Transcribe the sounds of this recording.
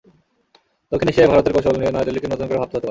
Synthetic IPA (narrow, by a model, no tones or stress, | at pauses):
d̪okʰːineʃebʱaɾot̪eɾkoʃolnienɔed̪elːikenot̪onkoɾebʱat̪oɦot̪epaee